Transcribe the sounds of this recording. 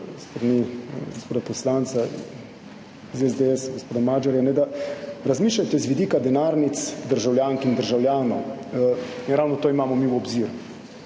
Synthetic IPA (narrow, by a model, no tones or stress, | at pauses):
st̪ɾaniɡospoːd̪apɔslant̪sa | izɛzd̪eɛsɡospoːd̪amaːd͡ʒaɾjanɛd̪aɾazmiːʃlʲajt̪ɛzʋid̪iːkad̪ɛnaːɾnit̪sd̪əɾʒawljaːŋkind̪əɾʒawljaːnɔ | inɾawnɔt̪oːimaːmɔmiwɔbziːɾu